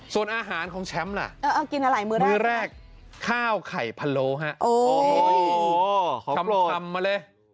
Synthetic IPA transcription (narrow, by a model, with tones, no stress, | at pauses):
su˨˩ənʔaː˧ɦaː˨˩˦nkʰɔː˩˦ŋt͡ɕʰɛ˦˥mla̰˨˩ʔʔaː˧˩ʔa˧˩ki˧nʔa˧la˨˩˦jmɯː˦mɾɛɯː˧˥˧ɾɛː˥˩k̚ʰːaː˥˩wkʰa˨˩jpʰa˧loː˧˦ɦa˦˥ʔʔoː˧˩˧ | a˧m˧a˧mːa˧le˧